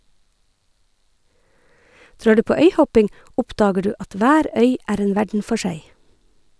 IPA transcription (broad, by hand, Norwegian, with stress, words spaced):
ˈdɾɑː ˈɖʉː ˈpoː ˈœʏˌhɔpɪŋ ˈʔɔpˌdɑːɡə ˈɖʉː ˈɑt ˈʋæːɾ ˈœʏ ˈʔæːɾ ˈeːn ˈʋæɖɳ̩ ˈfɔ ˈʃæɪ